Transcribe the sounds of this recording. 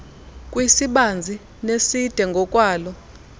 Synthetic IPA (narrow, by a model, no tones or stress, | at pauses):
kʼwisiɓand͡zʱi | nesid̥ʱɛŋɡʱɔkʼwaːlɔ